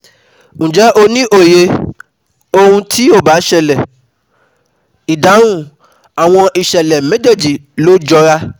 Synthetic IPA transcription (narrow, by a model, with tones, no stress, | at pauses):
ñ̩˨d͡ʒɛ˨˦ʔo˧nĩ˦ʔo˦˨je˧ | o˧hũ˧tʰi˦o˦˨ba˨˦ʃɛ˦˨lɛ˨ | i˨da˨˦ɾũ˦˨ | a˨w̃ɔ̃˧ʔi˨ʃɛ˨lɛ˨mẽ˨˦d͡ʒe˦˨d͡ʒi˨lo˦d͡ʒɔ˧ɾa˦